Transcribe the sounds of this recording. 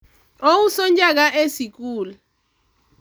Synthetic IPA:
owusɔnd͡ʒak̬aʔesik̬uːla

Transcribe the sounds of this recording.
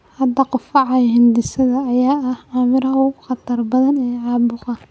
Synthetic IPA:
hɐd̪ɐqʊfɑʕɑjhɪnd̪ɪsɐðɐːjaːɐhʕɑːmɪɾɐɦʊχɑt̪ʰɐrbɐðɐnɛːʕɑːbʊqɑ

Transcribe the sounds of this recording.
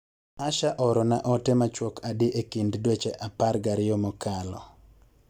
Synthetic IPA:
aʃaʔɔɾɔnaʔɔtemat͡ʃwɔkadɪʔekinddwet͡ʃeʔaparɡaɾɪjɔmɔkalɔ̰

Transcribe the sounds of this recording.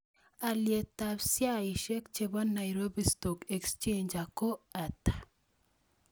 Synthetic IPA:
aljet̪absjaiʃekt͡ʃeβanːajɾobistɔkekst͡ʃẽnd͡ʒakoatḁ

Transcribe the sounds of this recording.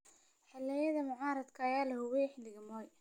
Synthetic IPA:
ħɪlɛjɐðɐmʊʕɑːɾɐd̪kʰɐːjaːlɐhʊwɛjħɪlːɪɣɐmɔːj

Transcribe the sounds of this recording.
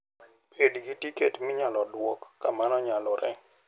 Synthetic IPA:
pʰedɡitiketmɪɲalɔdwɔkːamanɔɲalɔɾʔɛ

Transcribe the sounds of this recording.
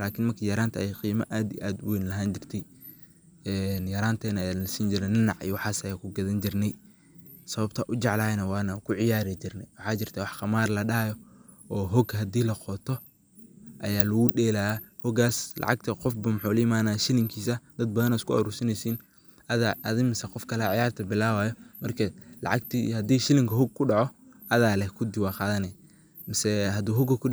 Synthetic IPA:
laːkʰɪnmɐrkʰijɐɾaːnt̪ʰɐʔɛjqiːmɐʔaːd̪ḭʔaːd̪wɛjnlɐɦaːnt͡ʃɪrt̪ʰɛj | ɛːnjɐɾaːnt̪ʰɛːnɐɐjaːlɐsiːnd͡ʒɪɾɛnɪnɑʕḭjwɑħɑːsɐjaːkʰʊɡɐðɐnd͡ʒɪrnɛj | sɐβɐb̚t̪ʰɐʔʊt͡ʃɑʕlaːjnɐwɑːnɐkʰʊʕɪjaːɾɪt͡ʃɪrnɛjwɑħɑːt͡ʃɪrt̪ʰɐwɑħqɑmaːrlɐɗɐjɔ | ɔːɦɔɡɦɐd̪iːlɐqɔt̪ʰɔ | ʔɐjaːlɐɣʊɗɛːlaːahɔɡaːslɑ̰ʕɑ̰ɡt̪ʰɐqɔfbɐmʊħʊlʊjɪmaːnaːʃɪlɪŋkʰiːsɐd̪̥ɐd̪̚bɐðɐnaskʰʊɔ̰ɾuːsɐnɛsiːn | ɐðaʔɐðɪŋmɪsɛqɔfkʰɐlɛʕɑjaːrt̪ʰɐbɪlaːwaːjɔmɐrkʰɐlɑ̰ʕɑɡt̪ʰihɐd̪iːʃɪlɪŋkʰɐɦɔɡ̚kʰʊɖɑʕɔ | ʔɐðaːlɛhkʰʊd̪ɪwɑːqɑːðɐnɛ | mɪsɛɦɐd̪uːɦɔɡɐkʰʊ

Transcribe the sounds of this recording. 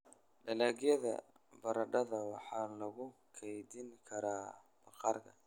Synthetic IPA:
ɖɐlaːɣjɐðɐ̰ | bɐɾɐɖɐðɐwɑħɑːlɐɣʊkʰɛjd̪ɪŋkʰɐɾaː | bɐqɑrkʰɐ̰

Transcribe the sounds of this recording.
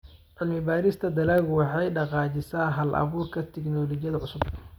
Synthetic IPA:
ʕɪlmɪbaːɾɪst̪ʰɐd̪ɐlaːɣwɑħɑjɖɑqɑːt͡ʃɪsaːɦɐlʔɐ̰βuːrkʰɐt̪ʰɛknɔːlɔːt͡ʃɪjɐðɐʕʊsʊb

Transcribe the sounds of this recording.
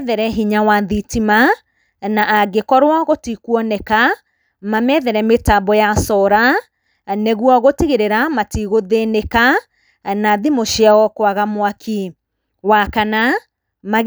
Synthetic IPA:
ðɛɾɛɦiɲawaðitima | naʔːɡekɔɾwaɣotikwɔnɛka | mamɛðɛɾɛmetabɔjasɔɾa | nɛɣwɔɣotiɣeɾeɾamatiɣoðeneka | naðimoʃiaɔkwaɣamwakʰi | wakana | maɣ

